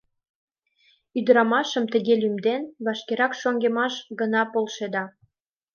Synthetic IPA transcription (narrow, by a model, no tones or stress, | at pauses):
yd̪əɾɑmɑʃə̆mt̪ə̆ɣelymd̪enβɑʃkeɾɑkʃoŋɡemɑʃɡənɑpolʃed̪ɑ